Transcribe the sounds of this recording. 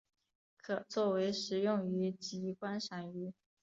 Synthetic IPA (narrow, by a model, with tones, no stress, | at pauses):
kʰɤ˨˩t͡swɔ˥˩we˧˥ɪʂɻ̩˨˩jʊ˥˩ŋy˧˥t͡ɕi˧˥kwa˥nʂa˧˥ny˧˥